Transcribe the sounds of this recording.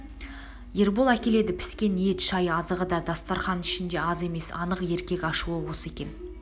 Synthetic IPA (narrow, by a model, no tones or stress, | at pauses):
je̞ɾbolˠækʲe̞le̞d̪ɪpʰɪ̥skʲe̞nije̞t̪ʃɑjɑzəʁəd̪ɑd̪ɑst̪ɑɾχɑnɪʃɪnd̪e̞ɑze̞me̞sɑ̰nəqje̞ɾkʲe̞kʲɑʃuwəwose̞kʲe̞n